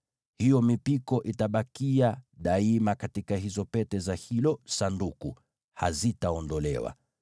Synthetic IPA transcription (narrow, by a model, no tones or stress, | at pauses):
hijɔmipikɔʔitaɓakiaɗaimakatikaɦizɔpɛtɛzahilɔsandukṵ | ha̰zitaɔndɔlɛ̰wa̰